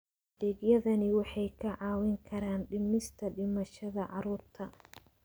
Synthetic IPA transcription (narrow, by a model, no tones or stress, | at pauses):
ðɛːɡjɐðɐnɪwɑħɑjkʰɐʕɑːwɪŋkʰɐɾaːnɖɪmɪst̪ʰɐɖɪmɐʃɐðɐʕɑɾuːrt̪ʰɐ